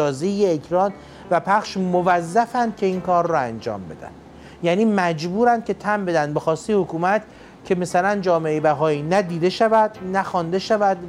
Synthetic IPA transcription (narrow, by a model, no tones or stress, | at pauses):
ɒːzeeːcʰɾɒːn | væpʰæχʃmovæzːæfænd̪̥̚cʰe̞iːnkɒːɾːɔænd͡ʒɒ̰ːmbe̞̰d̪æ̰nd̪ | jæːniːmæd͡ʒbuːɾænd̪̚cʰe̞t̪ʰæmbe̞d̪ænd̪̚be̞xɒːst̪ejehokuːmæt̪ | cʰe̞mæsælænd͡ʒɒːmeejbæɦɒːiːnæd̪iːd̪e̞ʃævæd̪̥̚næxɒːnd̪e̞ʃævæd̪